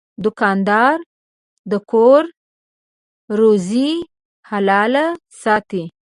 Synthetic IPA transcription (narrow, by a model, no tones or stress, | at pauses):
d̪ʊkɑnd̪ɑɾ | d̪əkʰoɾ | ɾozi | halɑlasɑt̪i